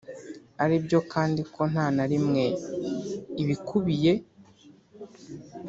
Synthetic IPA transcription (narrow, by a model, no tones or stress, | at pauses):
aɾibjo̞kʰaːndikʰo̞n̥aːnaɾimŋe̞ | iβikuβije̞